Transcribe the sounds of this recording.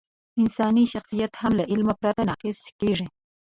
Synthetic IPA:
ɪnsɑːniʃaχsijat̪hamlaʔɪlmapɾat̪anɑːqesʃɪ̥keʐɪ

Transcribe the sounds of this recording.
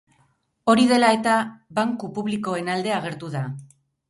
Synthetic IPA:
o̞ɾiðe̞lae̞t̪aβaŋkupuβliko̞e̞nald̪e̞aɣ̞e̞ɾt̪uða

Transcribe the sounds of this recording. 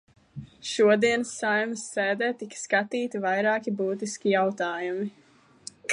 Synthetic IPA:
ʃuɔd̪iɛnsːajmsːɛːd̪ɛːt̪ikskat̪iːt̪ivajɾaːkibuːt̪iskʲijawt̪aːjumi

